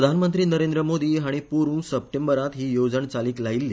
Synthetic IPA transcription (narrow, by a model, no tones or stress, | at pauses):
ɾəd̪ʱanmənt̪ɾiːnəɾend̪ɾəmod̪iːɦaɽ̃ipuɾũːnsəp̚ʈembəɾat̪ɦiːjod͡zəɳt͡saliːklailːiː